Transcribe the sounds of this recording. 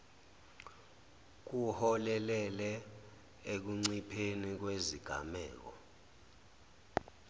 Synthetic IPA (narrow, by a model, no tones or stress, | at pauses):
k̬uhɔlɛlɛlɛ | ek̬uŋ͡ǀipʰenik̬weziɡ̥ʱa̰mɛ̰ːk̬ɔ̰